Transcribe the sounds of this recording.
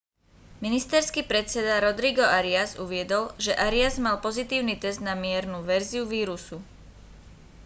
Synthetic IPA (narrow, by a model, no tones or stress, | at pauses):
minist̪ɛɾskiːpɾɛt͡sɛd̪aɾɔd̪ɾiɡɔaɾiazuʋɪɛd̪ɔlʒɛʔaɾiazmalpɔzit̪iːʊniːt̪ɛzd̪namɪɛɾnuʋɛɾziuʋiːɾusu